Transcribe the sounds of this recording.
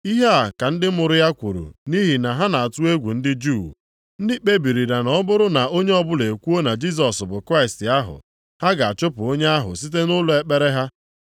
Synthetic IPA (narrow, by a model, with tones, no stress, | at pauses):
i˦ɦe˦a˨ka˨n̩˦dɪ˦mʊ˨ɾʊ˦ja˦kʷu˨ɾṵ˨ni˦ɦi˨na˨ɦa˦na˨a˨tu˦e˦ɡʷu˨n̩˦dɪ˦d͡ʒu˦˨ | n̩˦dɪ˦k͡pe˦bi˨ɾi˨da˨nɔ˦bʊ˦ɾʊ˦na˨ʔo˦ɲe˦ɔ˦bʊ˦le˨kʷu˦o˦na˨d͡ʒi˦s̬ɔ˨sbʊ˨kɾa˦ɪ˨stɪ˨a˦ɦʊ̰˨ | ha˦ɡa˨a˨t͡ʃʊ˦pʊ˨o˦ɲe˦a˦ɦʊ̰˨si˦t̬e˦nʊ˦lʊ˨e˦k͡pe˦ɾe˦ɦa˦